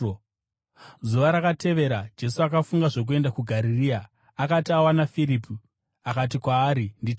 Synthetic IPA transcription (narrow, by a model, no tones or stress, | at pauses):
zuʋaɾakatʰe̞ʋe̞ɾad͡ʒe̞suakafuŋɡaʐo̞k̬ue̞ndakuɡʱaɾiriaː | katiawanafiɾipu | akat̬ikwaːɾindit